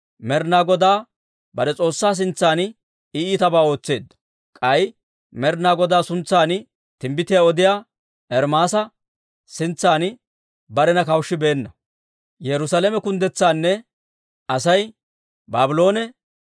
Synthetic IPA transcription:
mɛɾnaːɡɔd̪aː | bɐd̪ɛt͡sʼo̞ːsːaːs̬ɪnt͡sːaːn | ɪiːt̪ɐbaːo̞ːt͡sːe̞ːd̪ːɐ̥ | kʼɐj | mɛɾnaːɡɔd̪aːsʊnt͡sːaːn | t̪ɪmbɪt̪ɪjaːɔd̪ɪjaː | ɛɾmaːsɐ | sɪnt͡sːaːn | bɐɾɛnɐkɐwʃːɪbe̞ːnːɐ | jɛɾʊsaːlɛmɛkʊnd̪ɛt͡sːaːnːɛ | ɐsɐj | baːbɪlo̞ːnɛ

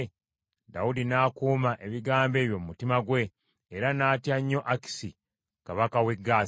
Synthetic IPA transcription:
da̰udinaːkuːmaʔe̞βiɡaːmbe̞ːβjo̞mumutimaɡwe̞ː | ɾanaːtjaɲːo̞ʔaki̥si | kaβakawe̞ɡːaː

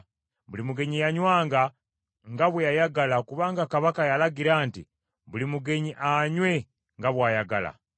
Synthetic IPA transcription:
βulimuɡe̞ɲijaɲwaːŋɡa | ŋɡaβwejajaɡalakuβaːŋɡakaβakajalaɡiɾaːnti | βulimuɡe̞ɲiʔaɲwe̞ | ŋɡaβwaːjaɡala̰

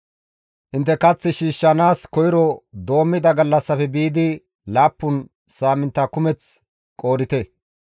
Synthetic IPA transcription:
ʔɪnt̪ːɛkɐt͡sːɪʃiːʃːɐnaːskɔjɪɾɔd̪o̞ːmːɪd̪ɐɡɐlːɐsːɐfɛbiːd̪ɪ | laːpːʊn | saːmɪnt̪ːɐkʊmɛt͡s | kʼo̞ːɾɪt̪ɛ

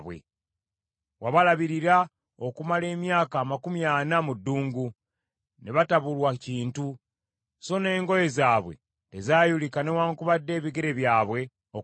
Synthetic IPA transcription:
βwḛ | waβalaβiɾiɾa | okumale̞ːmjaːkaːmakumjaːnamudːuːŋɡu | neβataβulwaciːntu | so̞ne̞ːŋɡo̞je̞zaːβwe̞̰ | te̞zaːjulikane̞waːŋkuβadːe̞ːβiɡe̞ɾe̞βjaːβwe̞ | o

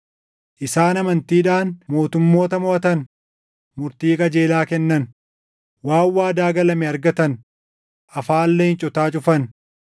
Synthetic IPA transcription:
ʔɪsaːnɐmɐnt̪iːᶑaːnmo̞ːt̪ʊmːo̞ːt̪ɐmʊʔɐt̪ɐn | mʊɾt̪iːkʼɐd͡ʒe̞ːlaːkɛnːɐn | waːwːaːd̪aːɡɐlɐmɛɐɾɡɐt̪ɐn | ʔɐfaːlːɛhɪnt͡ʃʼɔt̪aːt͡ʃʼʊfɐn

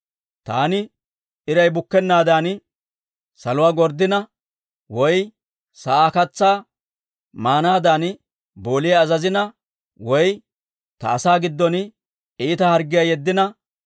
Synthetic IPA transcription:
t̪aːnɪ | ɪɾɐjbʊkːɛnːaːd̪aːn | sɐlʊwaːɡɔɾd̪ːɪnɐ | wɔj | sɐʔaːkɐt͡sːaː | maːnaːd̪aːn | bo̞ːlɪjɐːzɐzɪnɐ | wɔj | t̪ɐ̰ːsaːɡɪd̪ːɔn | iːt̪ɐhɐɾɡːɪjɐjɛd̪ːɪnɐ

